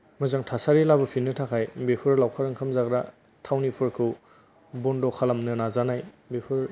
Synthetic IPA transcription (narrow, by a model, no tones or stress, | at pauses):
mɯzaŋtʰasaɾilabɯpʰinɯtʰakʰajbepʰɯɾlawkʰaɾɯŋkʰamzaɡɾa̰ | tʰawnipʰɯɾkʰɯw | bɔndɔkʰalamnɯnazanaj | bepʰɯɾ